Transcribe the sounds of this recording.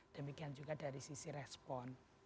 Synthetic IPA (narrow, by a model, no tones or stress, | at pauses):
d̪̥əmikiand͡ʒuɡad̥aɾisisiɾɛspɔn